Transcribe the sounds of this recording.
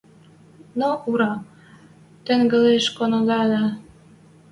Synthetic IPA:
noʔuɾɑ | t̪ĕŋɡə̆leʃkonod̪ɑlæ

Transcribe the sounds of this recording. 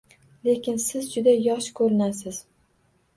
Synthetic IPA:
le̞kʲʰɪnsɪzd͡ʒʊd̪ajɒʃkʰɵɾɪnasɪz̥

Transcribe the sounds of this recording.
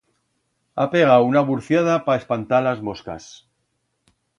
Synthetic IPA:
ape̞ɣ̞aunaβuɾθjað̞apaespant̪alazmo̞ska̰s

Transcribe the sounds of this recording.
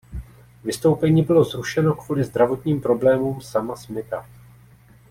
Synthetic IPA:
vɪst̪o̞wpɛɲiːbɪlo̞zɾuʃɛno̞kv̥uːlɪzd̪ɾavo̞t̪ɲiːmpɾo̞blɛːmuːmsamasmɪt̪a

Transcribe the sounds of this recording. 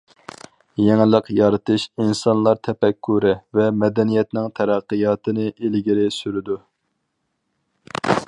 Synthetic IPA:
jɛŋlˠəqjɑɾɨt̪ɨʃinsɑnlˠɑɾt̪ʰɛpɛkʰːuɾɪvɛmɛd̪ɛnijɛt̪nɪŋt̪ʰɛɾæqːəjɑːt̪ʰɨnɨʔelɡʲiɾɪsyɾɪd̪u

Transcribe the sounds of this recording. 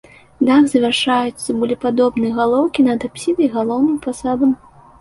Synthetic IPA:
d̪akzɐvʲarʂajut̪sːɐbulʲipad̪ɔbnɨjɐɣalˠɔwkʲinɐd̪apsʲinɐjɣalˠɔwnɨmpasabɐm

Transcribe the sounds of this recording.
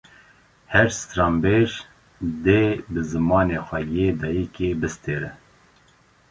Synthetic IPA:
hɛɾst̪ɾɑmbeʒ | d̪eːbɨzɨmɑːneːxʷɛjed̪ɑːjikeːbɨst̪eːɾɛ

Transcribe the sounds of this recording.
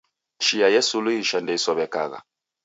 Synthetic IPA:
ʃijajɛsuluiʃandɛisɔβɛka̰ɣa̰

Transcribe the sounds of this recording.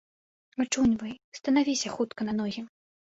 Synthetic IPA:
at͡ʂunʲvɐjst̪ɐnavʲisʲɐxut̪kɐnɐnɔɣʲim

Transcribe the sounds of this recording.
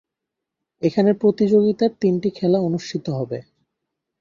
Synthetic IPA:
ekʰanepɾot̪id͡ʑoɡit̪aɾt̪inʈikʰɛlaonuʃʈʰit̪oɦɔbe

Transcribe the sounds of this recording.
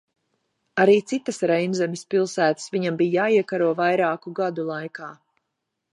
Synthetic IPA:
aɾiːt̪sit̪asɾɛjnzɛmispilˠsæːt̪ə̥sviɲambijjaːiɛkaɾuɔvajɾaːkuɡad̪ulˠajkaː

